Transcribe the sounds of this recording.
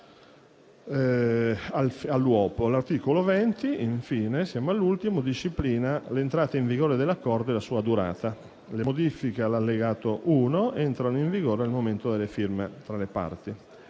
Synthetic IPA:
alfalːwɔːpolart̪iːkolovɛnt̪iiɱfiːnesjaːmoalːult̪imod̪iʃːipliːnalent̪ɾaːt̪eiɱviɡoːɾed̪elːakːɔrd̪oelasuːad̪uɾa̰ːt̪a | lemod̪ifikealalːeɡaːt̪oʔuːnoɛnt̪ɾanoiɱviɡoːɾealmoment̪od̪elːefirmet̪ɾalepa̰rt̪i

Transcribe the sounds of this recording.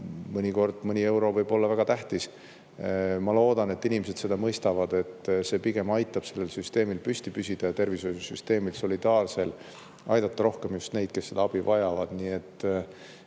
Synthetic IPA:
mɤnʲiko̞rd̪̥mɤnʲie̞wɾo̞vɤjb̥o̞lːɑvæɡ̥ɑt̪æht̪is | mɑlo̞ːd̪̥ɑne̞t̪ːinimese̞d̪se̞d̪ɑmɤjst̪ɑvɑd̪̥e̞t̪ːˑse̞ːpiɡ̥e̞mɑjt̪ːˑɑb̥se̞lːe̞lsyst̪e̞ːmilpyst̪ipysʲid̪̥ɑjɑt̪e̞rvisojusyst̪e̞ːmilso̞lid̪̥ɑːrse̞l | ɑjd̪̥ɑt̪ːɑɾo̞hke̞mjust̪ne̞jd̪̥ke̞sːe̞d̪ɑɑb̥ivɑjɑvɑd̪̥niːe̞t̪ː

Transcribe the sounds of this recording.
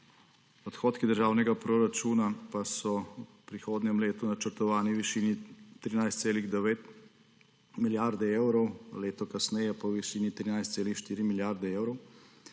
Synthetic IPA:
ɔt̪xoːt̪kid̪əɾʒaːwnɛɡapɾoɾat͡ʃuːnapasɔupɾixoːd̪nʲjɛmleːt̪unat͡ʃəɾt̪ɔʋaːniʋiʃiːnit̪ɾinajst̪seːliɣd̪ɛʋeːt̪ | miljaɾd̪ɛeːwɾɔwleːt̪ɔkasnɛjɛpawʋiʃiːnit̪ɾiːnajst̪seːlixʃt̪iːɾimiljaɾd̪ɛewɾɔw

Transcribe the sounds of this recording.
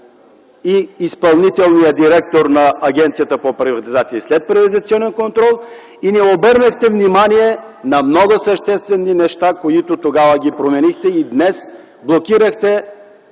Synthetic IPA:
iːspɐlˠnit̪ɛlˠnijəd̪iɾɛk̚t̪oɾnɐːɡʲɛnt̪sijət̪əpopɾivɐt̪izat̪siːslɛt̪̚pɾivət̪zɐt̪siɔnɛnkont̪ɾɔlˠ | inɛobəɾnəxt̪ɛvnimaniɛ | nɐmnɔɡosəʃt̪ɛst̪vɛnːinɛʃt̪akoit̪ot̪oɡavəɡʲipɾomɛnixt̪ɛid̪nɛs | blˠokiɾəxt̪ɛ

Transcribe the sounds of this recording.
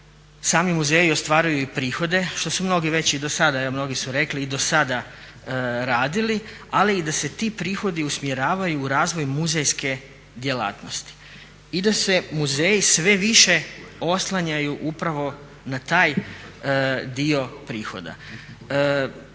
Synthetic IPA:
saːmimuze̞ːjio̞st̪ʋaːɾujuipɾiːxo̞d̪e̞ʃt̪o̞sumno̞ɡiʋe̞t͡ɕid̪o̞sad̪aeʋomno̞ɡisuɾe̞kliːd̪o̞sad̪a | ɾaːd̪ili | aliːd̪ase̞t̪ipɾiːxo̞d̪iusmje̞ɾaːʋajuːɾaːzʋo̞jmuzejske̞ | d̪je̞la̰ːt̪no̞st̪i̥ | id̪ase̞muze̞ːjisʋe̞ʋiʃe̞o̞slˠaɲajuʔupɾaʋo̞ | nat̪aːj | d̪io̞pɾiːxo̞̰d̪a̰

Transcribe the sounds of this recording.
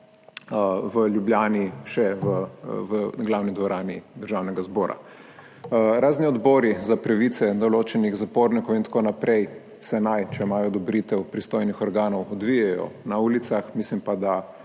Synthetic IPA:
əʋəljubljaːniʃɛʋəʋəɡlawnid̪ʋɔɾaːnid̪əɾʒawnɛɡazbɔːɾa̰ | ɾaːzniɔd̪bɔːɾizapɾaʋit̪sɛd̪ɔloːt͡ʃɛniɣzapoːɾnikɔwint̪ḁkonapɾɛj | sɛnajt͡ʃɛmaːjɔd̪ɔbɾit̪ɛwpɾist̪oːjnixɔɾɡaːnɔwɔd̪ʋijɛjɔ̰nauːlit̪saxmislimpad̪a

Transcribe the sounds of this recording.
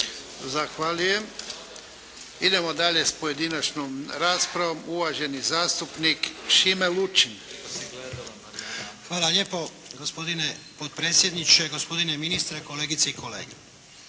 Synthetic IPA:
zaxʋaːluje̞m | id̪e̞mod̪aʎespoje̞d̪inat͡ʃnomɾaːspɾaʋomuʋaʒe̞nizaːst̪upnikʃimelut͡ʃinoɡled̪ | xʋaːlaljeːpo̞ | ɡospo̞d̪ine | pot̪̚pɾeːt̪sjed̪nit͡ʃeɡospo̞d̪ineminist̪ɾeko̞leɡit̪seiko̞lḛːɡe

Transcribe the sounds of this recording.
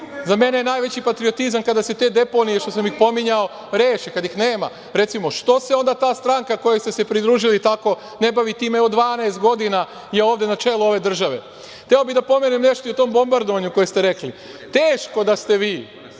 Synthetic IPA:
zame̞nejenaːjʋe̞t͡ɕipat̪ɾio̞t̪izamkad̪ase̞t̪e̞ːd̪e̞po̞nijeʃt̪o̞s̬amixpo̞miɲao̞ | ɾeːʃekad̪ixneːma̰ | ɾe̞t̪simo̞ʃt̪o̞se̞o̞nd̪at̪aːst̪ɾaŋkako̞jest̪e̞se̞pɾid̪ɾuːʒilit̪ako̞ | ne̞baʋit̪iːmeod̪ʋaːneːst̪̚ɡo̞d̪ina | jeoːʋd̪e̞nat͡ʃe̞lˠuo̞ʋe̞d̪r̩ʒaʋe̞̰ | xt̪eobid̪apo̞menimne̞ʃt̪oiot̪o̞mbo̞mbaɾd̪oʋaɲuko̞jest̪eɾe̞kli | t̪eːʃko̞d̪ast̪e̞ʋiː

